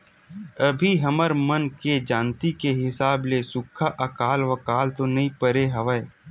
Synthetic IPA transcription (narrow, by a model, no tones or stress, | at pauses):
əbʱiɦɐməɾmənked͡ʒaːnt̪ikeɦɪsaːblesʊkʰːaʔɐkaːlʋɐkaːlt̪onɐɦĩpəɾeɦɐʋəe